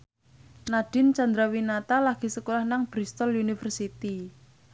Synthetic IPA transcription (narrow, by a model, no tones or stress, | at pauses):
nad̥ɪnt͡ʃand̪ɾawinat̪alaɡ̥i̤səkulahnaŋb̥ɾist̪ɔlunifərsit̪i